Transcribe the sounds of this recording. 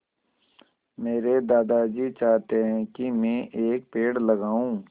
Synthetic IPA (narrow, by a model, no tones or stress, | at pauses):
meːɾed̪aːd̪ad͡ʒiːt͡ʃaːɦt̪eɦɛ̃kimɛ̃ʔeːk̚peːɽlɐɡaːũː